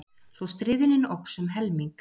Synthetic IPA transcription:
θɔwst̪ɾɪːðɪnɪnowksɛmɦɛlmiŋk

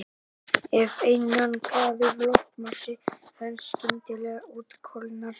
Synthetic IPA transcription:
ɛvejnːankʰaːðɪɾlɔft̪masɪfɛnscɪmt̪ɪlɛɣauːt̪kʰɔlnaɾ̥

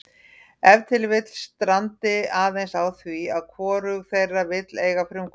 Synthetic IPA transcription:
ɛvt̪ʰɪlvɪt̪l̥st̪ɾant̪ɪaːvejnsawθviaðkʰvɔːɾʏɣθejrːavɪt̪leːjɣafɾʏmkʰ

